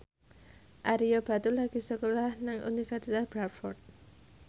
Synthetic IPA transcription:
ʔaɾijob̥a̤t̪ulaɡ̥i̤səkolahnaŋṵnifɛrsit̪asb̥ɾatfɔrt̪̚

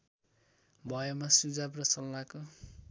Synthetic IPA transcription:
bʱʌjʌmasud͡zabrʌsʌlːako

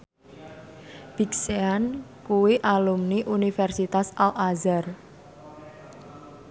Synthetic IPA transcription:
b̥ikseankuwiʔalumniʔunifɛrsit̪asalʔazar

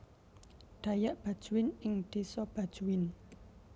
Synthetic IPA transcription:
ɖ̪̥a̤jaʔb̥a̤d̥ʒ̥ṳwɪnɪŋd̪̥esɔb̥a̤d̥ʒ̥uwɪn

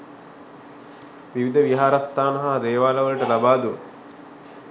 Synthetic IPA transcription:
ʋiʋid̪ʱɐʋiɦaːɾɐst̪ʰaːnɐɦɐd̪eːʋaːlɐʋɐliʈɐlɐbaːd̪u

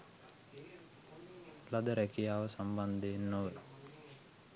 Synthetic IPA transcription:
lɐd̪ɐɾɛkijaːʋɐsɐmband̪eːnːoʋə

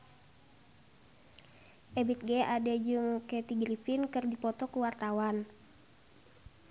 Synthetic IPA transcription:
ʔɛbit̪̚ɡɛadɛd͡ʒɨŋkɛt̪iɡɾifinkɨrdipɔt̪ɔkuwart̪awan

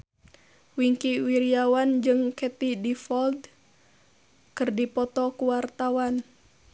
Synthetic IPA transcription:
wiŋkiwiɾiawand͡ʒɨŋkɛt̪idifɔld̪ | kɨrdipɔt̪ɔkuwart̪awan

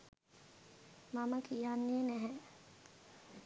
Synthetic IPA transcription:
maməkijanːeːnæɦɛ

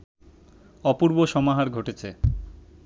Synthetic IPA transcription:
ɔpuɾboʃɔmaɦaɾɡʱoʈet͡ɕʰe

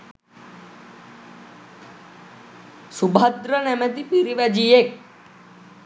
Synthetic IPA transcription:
subʱad̪ɾənɛmət̪ipiɾiʋɐd͡ʒijek̚

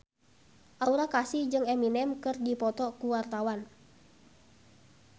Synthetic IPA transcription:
ʔauɾakasihd͡ʒɨŋɛminɛmkɨrdipɔt̪ɔkuwart̪awan

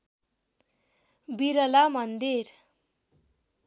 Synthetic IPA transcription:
biɾʌlamʌnd̪iɾ

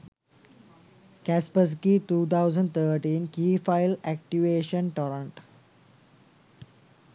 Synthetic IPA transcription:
kæspəs̬kit̪uːt̪ʰaʊzə̃ɳɖt̪ʰəːɾʈĩːnkiːfaɪlæk̚ʈiʋeːʃə̃nʈɔːɾə̃ɳʈ

